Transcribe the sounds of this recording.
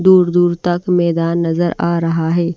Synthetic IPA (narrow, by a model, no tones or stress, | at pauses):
d̪uːɾd̪uːɾt̪ɐkmɛːd̪aːnːɐzəɾaːɾɐɦaɦɛː